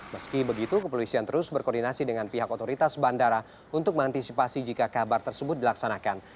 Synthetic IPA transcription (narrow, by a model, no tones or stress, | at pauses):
məskibəɡit̪ukəpolisiant̪əɾʊsbərkɔrdinasidəŋanpiɦakot̪oɾit̪asbandaɾa | unt̪ʊk̚mə̃ŋant̪isipasid͡ʒikakabart̪ərsəbʊt̪̚dilaksanakan